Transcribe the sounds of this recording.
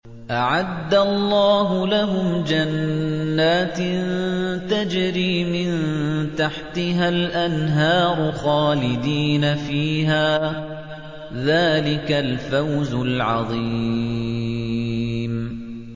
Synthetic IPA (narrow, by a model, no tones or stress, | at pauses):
ʔaʕad̪ːalˤːɑːɦʊlaɦʊmd͡ʒanːaːt̪nt̪ad͡ʒɾiːmɪnt̪aħt̪ɪɦalʔanɦɑːɾˤʊxaːlɪd̪iːnafiːɦaː | ðaːlɪkalfawzʊlʕɑðˤiː | m